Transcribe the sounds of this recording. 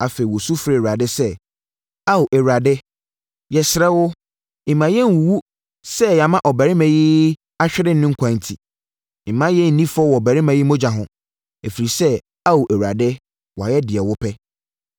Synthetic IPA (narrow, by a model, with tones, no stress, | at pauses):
a˨fe˨i˨wɔ˨su˦fɾɛ˨a˨dɪ˦sɛ˦ | a˦wʔɛ˨ɥa˨dɪ˦ | jɛ˨sɪ˨ɾɛ˦wʊ˦ | ɪ̃˨mã˨jɛ˦n˨wu˨wu˦ | sɛ˦ja˨mã˦ʔɔ˨bæ˨ɾɪ˦mã˨ji˦ | a˦ɕᶣɪ˦ɾɪ˦˨nɪ̃˦ŋ̩˨kʷʰã˨n˨tʰi˨ | ɪ˨mã˦jɛ˦n̩˨nĩ˦fɔ˦wɔ˨bæ˨ɾɪ˦mã˨ji˦mõ˦d͡ʑã˨ɦʊ̃˨ | e˨fi˨ɾi˨sɛ˦ | a˦wʔɛ˨wa˨dɪ˦ | wɔ˨a˨jɛ˦dɪ˨ɛ˨wʊ˦pʰɛ˦